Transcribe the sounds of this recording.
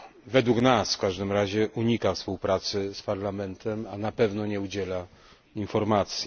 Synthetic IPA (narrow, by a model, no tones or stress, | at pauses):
vɛd̪wuknasfkaʐd̪ɘmɾaʑɛʔuɲikafspuwpɾat̪sɘspaɾlamɛnt̪ʰɛmanapɛvnɔɲɛud͡ʑɛla | infɔɾmat̪sʲjɛ